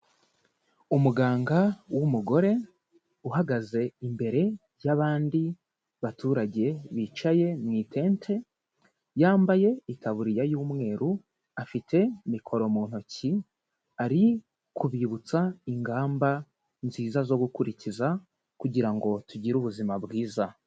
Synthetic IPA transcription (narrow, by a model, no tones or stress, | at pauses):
umuɡaːŋɡawumuɡo̞ɾe̞ | uɦaɡaze̞imbe̞ɾe̞ | jaβaːndi | βatʰuːɾaɟe̞βit͡ʃaje̞mŋiːtʰe̞ːntʰe̞ | jaːmbaje̞itaβuɾijajuːmŋe̞ːɾu | afitʰe̞mikʰo̞ɾo̞muːn̥hoci | aɾi | kʰuβiβut͡saiŋɡaːmba | nziːzazo̞ɡukuɾiciza | kuɟiɾaŋɡo̞tuɟiɾuβuzimabɡiːza